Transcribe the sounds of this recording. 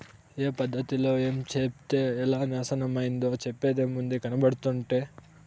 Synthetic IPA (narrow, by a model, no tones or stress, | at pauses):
eːpɐd̪ʱːɐt̪iloeːmt͡ʃept̪eɛlːanaːsɐnɐmːɐind̪ot͡ʃepːed̪emund̪ekɐnɐbɐɽt̪oɳʈe